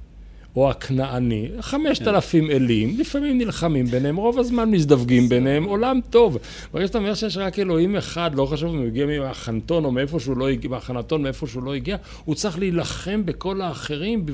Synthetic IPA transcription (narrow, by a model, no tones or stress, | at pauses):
oakʰnaaniχame̞ʃt̪alafime̞limlifamimnilχamimbeneemʁo̞vazmanmisd̪avɡimbenehemo̞lamt̪o̞v | beʁɡaʃat̪aomeʃejeʃ̬ʁake̞lo̞ime̞χad̪lo̞χaʃuvumjoɡiamiaχant̪o̞no̞meefo̞ʃeulo̞iɡimaχanat̪o̞nmeefo̞ʃeulo̞iɡia | ut͡sʁiχliːlaχe̞mbeko̞laːχe̞ʁimb